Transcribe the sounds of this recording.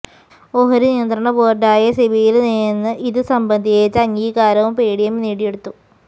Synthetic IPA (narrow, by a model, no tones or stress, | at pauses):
oɦɐɾunijɐnd̪rɐɳɐboːrɖaːjɐseʋijilnijenːɨʔiðɨsɐmbɐnd̪ʱijeːt͡ɕːɐŋɡiːkaːɾɐʋumpeːɽijɐmniːɽijeɽut̪ːu